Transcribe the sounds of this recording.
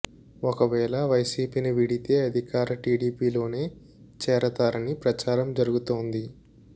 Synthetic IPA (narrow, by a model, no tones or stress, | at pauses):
ɔkɐʋɛːlɐʋɐjsiːpiːniʋiɽit̪e̞ːɐd̪ʱikaːɾɐʈiːɽiːpiːlo̞ːne̞ː | t͡ʃɛːɾɐt̪aːɾɐnipɾɐt͡ʃaːɾɐmd͡ʒɐɾuɡut̪oːnd̪i